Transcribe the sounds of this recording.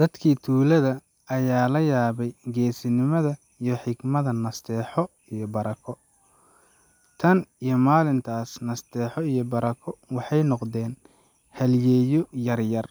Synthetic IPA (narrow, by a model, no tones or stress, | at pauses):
d̪̥ɐd̪kʰiːt̪ʰuːlɐðɐː | jaːlɐjaːβɛjɡɛːsɪnɪmɐðɐ | ijɔħɪɡmɐðɐnɐst̪ʰɛːħɔ | ijɔbɐɾɐkʰɔ | t̪ʰɐnijɞmaːlɪnt̪ʰaːsnɐst̪ɛːħɔijɔbɐɾɐkʰɔwɑħɑjnɔqd̪ɛːn | hɐljɛːjɔjɐrjɐr